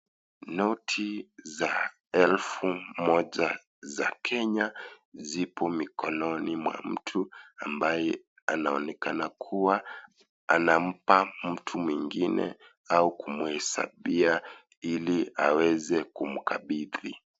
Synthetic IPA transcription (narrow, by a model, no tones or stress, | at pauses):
nɔtʰiza | ɛlfumɔʄa | za̰kʰɛɲazipʰɔmikɔnɔnimwa̰m̩tʰuambajɛ | anaɔnɛkanakʰuwa | anam̩pam̩tʰumwiŋɡinɛ̰ | aukumuhɛsa̰ɓia | ilia̰wɛzɛkum̩kʰaɓiðḭ